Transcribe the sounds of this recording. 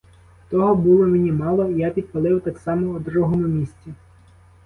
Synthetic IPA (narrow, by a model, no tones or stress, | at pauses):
t̪ɔɦɔbulˠɔmenʲimɑlˠɔijapʲid̪̚pɐlˠɪwt̪ɑksɑmɔːd̪ɾuɦɔmʊmʲisʲt͡sʲi